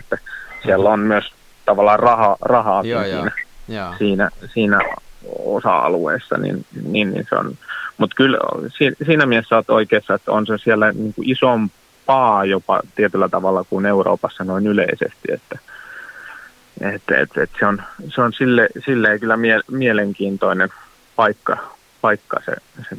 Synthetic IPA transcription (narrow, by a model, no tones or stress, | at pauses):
et̪ːæsielːonmyøs | t̪ɑʋɑlːˑɑːrrɑhɑrɑhɑːinsḭːnæsiːnæsiːnæ̰o̰sɑ̰ɑ̰lṵḛːsːɑ̰nḭnninnḭnsḛo̰nmut̪kylsiːsiːnæmiesːæot̪o̰ikeːsːɑet̪ːo̰nsesielːæniːŋkuʔisom | pɑːjopɑ̰t̪iet̪ylːæt̪ɑʋɑlːɑkuneuro̰ːpɑsːɑnoinyleisḛst̪iḛt̪ːæ | et̪ḛt̪ḛt̪seonseonsilːesilːeikylːæmielmieleŋkiːnt̪oinen | pɑikːɑ | pɑikːɑ̰sḛse